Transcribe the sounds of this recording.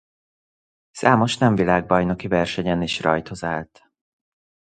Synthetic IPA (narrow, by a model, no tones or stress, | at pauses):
saːmo̞ʃnɛɱvilaːɡ̚bɒjnokivɛrʃɛɲɛniʃrɒjt̪ho̞zaːlt̪